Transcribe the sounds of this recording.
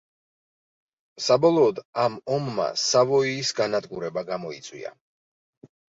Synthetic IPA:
sabɔlˠɔːd̪amɔmːa̰savɔiːsɡanad̪ɡuɾɛbaɡamɔit̪sʼwḭa̰

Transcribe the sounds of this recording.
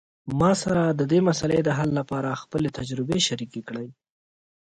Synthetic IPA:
mɑsaɾad̪əd̪emasaled̪əɦalːapɑɾaxpəlet̪ad͡ʒɾɪbeʃaɾikekɽəj

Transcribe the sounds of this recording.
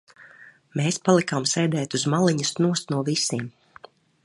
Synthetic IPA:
meːspalˠikamsɛjd̪ɛːt̪uzmaliɲɨsnuɔsnuɔvisiːm

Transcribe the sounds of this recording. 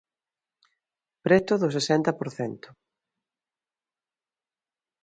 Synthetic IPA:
pɾɛt̪ʊðʊs̬esɛnt̪ɐpoɾθɛnt̪ʊ̥

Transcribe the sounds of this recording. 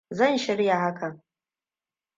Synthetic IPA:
zanʃaɾɨjaʕakʼʰa

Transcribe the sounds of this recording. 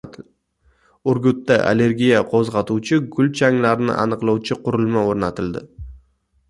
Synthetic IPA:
ʊɾɡʲʊt̪ːaʔa̰le̞ɾɡʲijaqʰozʁɑt̪uwt͡ʃʰɪɡʊld͡ʒʰaŋlaɾɪnɪ̰ʔa̰nɨqlˠɑwt͡ʃʰɪqʰʊɾʊlˠmaoɾnat̪ʰɪld̪ɪ

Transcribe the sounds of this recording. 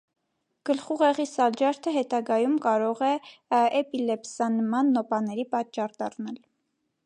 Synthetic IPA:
ɡ̥əlχuʁɛʁisɑld͡ʒɑɾt̪ʰəɦɛt̪ɑɡɑjumkɑɾɔʁɛɛpilɛpsɑnmɑnːɔpɑnɛɾipɑt͡ʃːɑrd̪ɑrnɑl

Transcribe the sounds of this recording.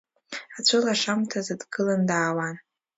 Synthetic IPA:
at͡ɕʷʰɨlaʂamtʰazadɡɨlandaːwan

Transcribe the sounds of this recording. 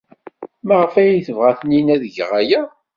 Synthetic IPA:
maʁəfæjiθəvʁaθəninæðəʝʁæjæ

